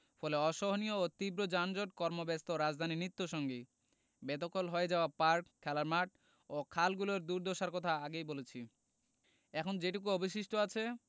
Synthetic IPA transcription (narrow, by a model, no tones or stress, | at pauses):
fʰɔleɔʃɔɦonijoot̪ibɾod͡ʑand͡ʑoʈkɔɾmobɛst̪oɾad͡ʑd̪ʱaninit̪ːoʃɔŋɡe | bɛt̪okolɦoed͡ʑaoapaɾkkʰːɛlaɾmaʈ | okʰalɡuloɾd̪uɾd̪ʱoʃaɾkɔt̪ʰaaɡejbolet͡ɕʰi | ɛkʰond͡ʑeʈuk̬uobiʃ̬iʃʈoat͡ɕʰe